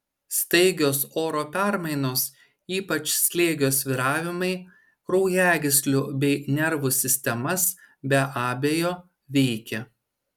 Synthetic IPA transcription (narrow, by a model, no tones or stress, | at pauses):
sʲt̪ɐɪɡʲoːsoːɾoːpʲæɾmɐɪnoːs | iːpɐt͡ʃʲsʲlʲeːɡʲoːsʋʲiɾɑːʋʲɪmɐɪ | ɾɔʊjæːɡʲɪsʲlʲʊbʲɛɪnʲɛɾʋʊsʲɪsʲt̪ʲɛmɐs | bʲɛʔɑːbʲejoː | ʋʲɛɪkʲɛ